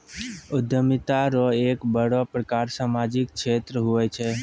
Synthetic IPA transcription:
ʊd̪ʱəmit̪aɾoekbəɽopɾəkaɾsamad͡ʒɪk̚kʃʰet̪ɾəɦujt͡ʃʰe

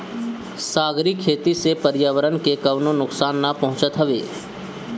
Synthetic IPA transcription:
saːɡɾikʰːeːt̪isepəɾɪjaːʋəɾənkekɐʋnõnʊksaːnːapɐɦʊ̃t͡ʃət̪ɦɐʋḛː

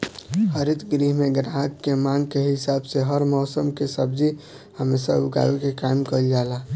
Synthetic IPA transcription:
həɾit̪ɡɾiɦmeɡɾaɦəkːemãŋɡkeɦɪsabseɦəɾmɔːsəmkesəb̚d͡ʒi | həmesa̰uɡa̰ʋekekaɪmkəld͡ʒala

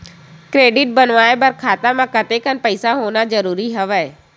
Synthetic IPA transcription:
kɾeːɖɪʈ̚bənʋaːebəɾkʰaːt̪amãkɐt̪ekənpəɪsaɦoːnad͡ʒəɾuːɾiɦəʋəe

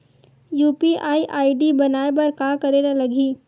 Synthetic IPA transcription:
juːpiʔaːiʔaːiɖibɐnaːeb̬ɐɾkaːkɐɾenalɐɡʱiː

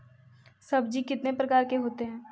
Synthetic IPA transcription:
sɐbd͡ʒikɪt̪nepɾɐkaːɾkeɦoːt̪eɦɛ̃ː

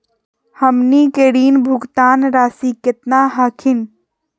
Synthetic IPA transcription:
həmniːkeɽiːnbʱʊɡt̪aːnɾaːsikɪt̪naɦaːkʰɪn

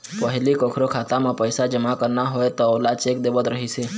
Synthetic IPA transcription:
pəɦɪlikõkʰɾokʰaːt̪amẽpəɪsad͡ʒəmakəɾnaɦoet̪ɔolat͡ʃek̚d̪eːbət̪ɾəɦise

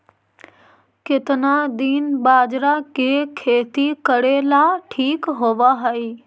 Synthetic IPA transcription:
kɪt̪nad̪inbaːd͡ʒɾakekʰeːt̪ikəɽelaʈʰiːkɦoːʋaɦəiː

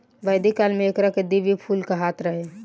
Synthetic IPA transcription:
ʋəjd̪ikalmeːkɾaked̪iʋipʰulkaɦat̪ɾəɦe

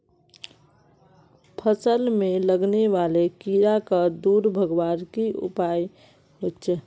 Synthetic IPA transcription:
pʰəsəlmeləɡneʋalekiɾakəd̪uɾbʱəɡʋaɾkiṵpaj | ɦotːt͡ʃʰɛ

